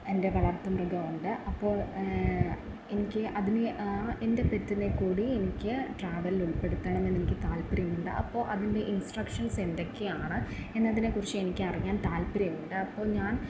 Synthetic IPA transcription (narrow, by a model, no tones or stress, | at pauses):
e̞nde̞ʋɐɭɐrt̪ːɐmrɐɡɐmuɳɖɨʔɐpːo̞ːɭ | enikʲːɨʔɐðinee̞nde̞pet̪ːinekːuːɽie̞nikʲːɨʈraːʋɐliluɭpe̞ɽut̪ːɐɳɐmːenːenikʲːɨt̪aːlpɐɾjmuɳɖɨ̰ʔɐ̰pːo̞ːʔɐðinde̞ʔinsʈrɐkʂɐnse̞nd̪o̞kːe̞jaːɳɨe̞nːɐðinekurit͡ɕːɨe̞nikʲːɨɐriŋːaːnt̪aːlpɐɾɐjɐmːuɳɖɨɐpːo̞ːɭɲaːn